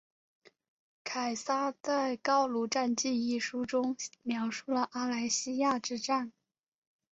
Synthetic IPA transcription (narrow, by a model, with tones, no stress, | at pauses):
kʰa˨˩ɪsa˥t͡sa˥˧ɪkɑ˥ʊlu˧˥ʈ͡ʂa˥˧nt͡ɕi˥˧ni˥˩ʂu˥ʈ͡ʂʊ˥ŋmjɑ˧˥ʊʂu˥˩lə˩ʔa˥la˧˥ɪɕi˥ja˥˧ʈ͡ʂɻ̩˥˧ʈ͡ʂa˥˩n